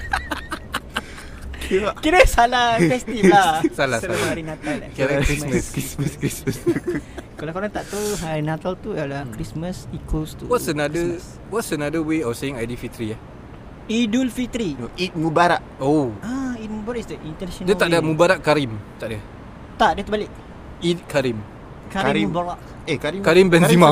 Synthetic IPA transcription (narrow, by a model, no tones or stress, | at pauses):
akiɾəsalahfɛst̪ilasalaslaaahaɾinat̪alakaɾakɾisməskisməskɾisəs | kalakoɾaŋt̪aʔt̪uɦaɾinat̪alt̪ualahkɾisməsikost̪uwɔsənadəs | wɔtsənadəweɔsajɪŋajdifit̪ɾiah | idulfit̪ɾiit̪̚mubaɾaʔoait̪̚mubaɾaisdəint̪ənaʃɔ̃ndət̪aʔdamũbaɾaʔkaɾimt̪aʔda | t̪aʔdiət̪ubalɪʔ | it̚kaɾim | kaɾiɾibaɾaʔ | ekaɾikaɾimbɛnzimã